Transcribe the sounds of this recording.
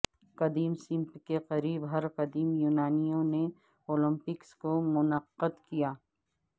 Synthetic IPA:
qɐd̪iːmsɪ̃mpkeqɐɾiːbɦɐɾqɐd̪iːmjuːnaːnijõne | oːlə̃mpɪkskomʊnəqːəd̪kijaː

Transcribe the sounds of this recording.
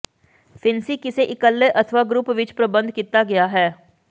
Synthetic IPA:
fʰɪnsiːkɪseʔɪkəlːəʔət̪ʰəʋaːɡɾʊpʋɪt͡ʃpɾəbə̃nd̪kiːt̪aːɡɪjaːɦɛː

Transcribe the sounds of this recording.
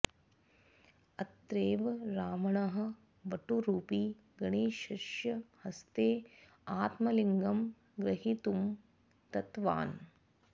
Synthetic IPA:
ɐt̪ɾeːʋɾaːmɐɳɐɦɐ̆ | ʋɐʈuɾuːpi | ɡɐɳeːʃɐʃjɐhɐst̪eː | aːt̪mɐliŋɡɐm | ɡɾɐɦit̪um | t̪ɐt̪ʋa̰ːn

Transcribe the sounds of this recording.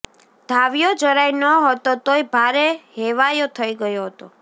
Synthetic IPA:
d̪ʱaʋjod͡ʒəɾajnəɦɔt̪ot̪oibʱaɾeɦeʋajot̪ʰəiɡəjoɦət̪o

